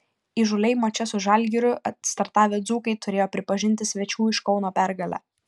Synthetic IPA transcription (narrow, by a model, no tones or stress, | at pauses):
iːʒʊlʲɛɪmɐt͡ʃʲɛsʊʒɐlʲɡʲɪɾʲʊɐst̪ɐɾt̪ɑːʋʲeːd̪zuːkɐɪt̪ʊɾʲeːjoːpʲɾʲɪpɐʒʲɪnʲt̪ʲɪsʲʋʲɛt͡ʃʲuːɪʃkɒʊnoːpʲæɾɡɐlʲæ̰ː